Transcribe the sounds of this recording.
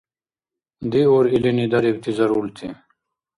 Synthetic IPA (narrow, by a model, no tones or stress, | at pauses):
d̪ioːɾilinid̪ɐɾibt̪ʰizɐɾuːlt̪ʰḭ